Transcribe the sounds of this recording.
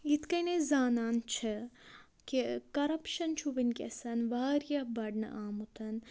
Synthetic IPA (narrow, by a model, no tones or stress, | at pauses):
it̪kɐjnezaːnaːnt͡ʃʰɐ | kikɐɾɐpʃɐnt͡ʃʰuʋɐnʲkʲɐ̰sɐnʋaːɾijɐbɐɖnɐ̰ʔaːmut̪ʰɐn